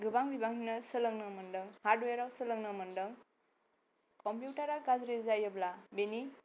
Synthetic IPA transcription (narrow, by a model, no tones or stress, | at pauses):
ɡɯbaŋbibaŋinəsɯləŋnɯmɯndɯŋhaɾdweɾawsɯlɯŋnɯmɯndɯŋ | kɔmpjuʈaɾaɡazɾizajɯblabeni